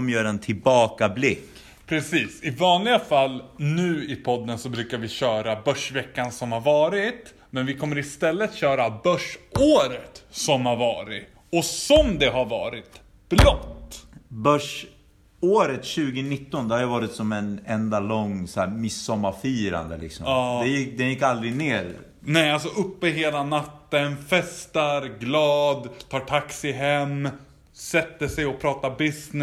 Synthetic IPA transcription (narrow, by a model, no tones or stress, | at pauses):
ɔmjœːɾɛnt̪ʰɪlbɑːkablɪkː | pʰɾɛsiːsɪvɑːnlɪɡafalːnʉ̟ːɪpʰɔd̪ːənsɔbɾʉ̟ːkaɾvɪɕœːɾabœʂvɛkːansɔmhaɾvɑːɾɪt̪ | mɛnvɪkʰɔmːəɾɪst̪ɛlːət̪ɕœːɾabœʂoːɾət̪sɔmhaɾvɑːɾɪ̰ | ɔsɔmd̪ɛɦaɾvɑ̰ːɾɪt̪ | b̥ɾɔtt̪ːbœʂ | oːɾət̪ɕʉ̟ːɡənɪt̪ːɔnd̪ɛhaɾjavɑːɾɪt̪sɔmɛnɛnd̪alɔŋsɔæ̰ːɾmɪsːɔmːaɾfyːɾa̰nd̪ə̰lɪ̰ksɔ̰ːd̪ɛjɪkːd̪ɛnjɪkːald̪ɾɪneːɾ | nɛjals̬ɔʔɵpːəɦeːlanat̪ːənfɛst̪aɾɡlɑːd̪t̪ʰɑːʈʰaksɪɦɛmː | sɛt̪ːəʂɛjɔpʰɾɑːt̪abɪsn